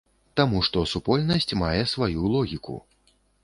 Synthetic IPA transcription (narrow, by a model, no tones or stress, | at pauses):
t̪amuʂt̪ɔsupɔlʲnɐsʲt͡sʲmajɛsvajulˠɔɣʲikṵ